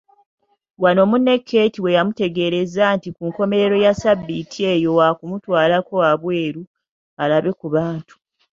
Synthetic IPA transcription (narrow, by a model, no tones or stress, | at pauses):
wano̞ːmunːe̞kʰːe̞ːtiwe̞jamute̞ɡe̞ɾe̞zantikuːŋko̞me̞ɾe̞ɾo̞jasabːitʰie̞ːjo̞wakumutwaːlako̞aβwe̞ːɾu | alaβe̞kuβaːntu̥